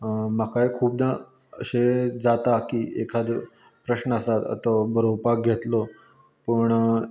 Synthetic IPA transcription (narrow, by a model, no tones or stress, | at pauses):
makaekʰuːp̚d̪a | əɕed͡zat̪akiːʔekʰad̪ | pɾəɕnəəsat̪ə̰t̪ɔbʱəɾowpak̚ɡʱet̪lo | pəɳ